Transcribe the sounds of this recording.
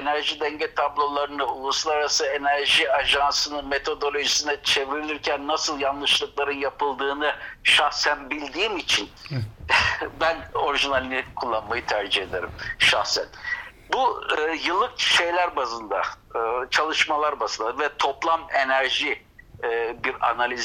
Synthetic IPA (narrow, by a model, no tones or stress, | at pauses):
enæɾʒid̪ɛɲɟɛt̪ʰablˠo̞lˠaɾɯnɯulˠuslˠaɾaɾasɯe̞næɾʒiaʒansɯnɯme̞t̪ʰo̞d̪o̞lʲo̞ʒisinɛt͡ʃʰe̞viɾilʲiɾcʰænːasɯlˠjanlˠɯʃlˠɯklˠaɾɯnjapʰɯlˠd̪ɯːnɯʃaxsænbilʲd̪iːmit͡ʃʰin | bæno̞ɾiʒinalʲinɛkʰulˠːanmajɯt̪ʰæɾd͡ʒihe̞d̪eɾimʃahsæ̰n | buːjɯlˠːɯkʃe̞jlʲæɾbazɯnd̪a | ɯt͡ʃʰalˠɯʃmalˠaɾbazɯnd̪avɛt̪ʰo̞plˠame̞næɾʒi | biɾa̰nalʲiz